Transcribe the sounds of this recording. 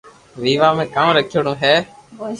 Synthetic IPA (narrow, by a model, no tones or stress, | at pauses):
ʋiːʋaːmẽːkaːmɾəkʰoɳõːɦɛː